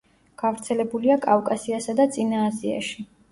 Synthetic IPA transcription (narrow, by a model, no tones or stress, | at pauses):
ɡ̥avɾt̪sʰɛlɛbuliakʼafkʼasiasad̪at̪sʼinaːzia̰ʃi